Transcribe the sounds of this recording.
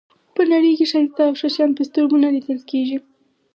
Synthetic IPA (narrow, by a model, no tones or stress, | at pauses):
pənaɽəjkeʃaɾit̪aːwʂaʃjɑnpəst̪oɾmunalit̪əlkeʒi